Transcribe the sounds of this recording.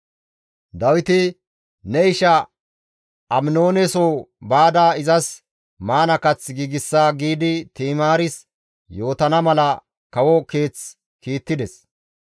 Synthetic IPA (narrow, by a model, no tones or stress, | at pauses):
d̪ɐwɪt̪ɪ | nɛɪʃɐ | ʔɐmɪno̞ːnɛsoːbaːd̪aːɪzɐs | maːnɐkɐt͡sɡiːɡɪsːaːɡiːd̪ɪt̪iːmaːɾɪs | jo̞ːt̪ɐnɐmɐlɐ | kɐwɔke̞ːt͡s | kiːt̪ːɪd̪ɛs